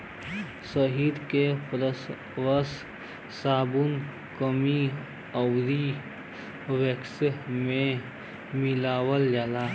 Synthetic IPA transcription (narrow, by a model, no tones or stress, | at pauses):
səɦiːd̪kepɾəs | wəs | saːbun | kəmi | ɐwɾi | weksmẽ | milaːwəld͡ʒalaː